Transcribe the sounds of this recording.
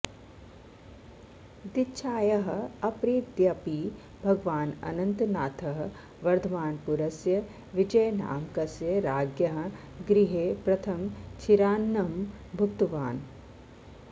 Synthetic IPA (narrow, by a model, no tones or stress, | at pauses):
d̪itːʃʰaːjɐɦɐ̆ɐpɾiːt̪d̪jɐpiː | bʱɐɡʋaːnɐ̰nɐnt̪naːt̪ʰɐɦɐ | ʋɐɾd̪ʰʱɐʋaːnpuɾɐsjɐ | ʋid͡ʒɐjna̰ːmkɐsjɐɾaːɡjɐɦɐ̆̃ | ɡɾiɦeːpɾɐt̪ʰɐmt͡ʃʰiɾaːnːɐm | bʱukt̪uʋaːn